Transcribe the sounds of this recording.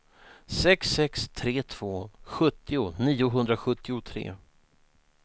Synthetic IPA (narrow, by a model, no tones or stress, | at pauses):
sɛksːɛkst̪ʰɾeːt̪ʰv̥oːɧɵt̪ːɪʊniːʊɦɵnd̪ɾaɧɵt̪ːɪʊt̪ʰɾḛː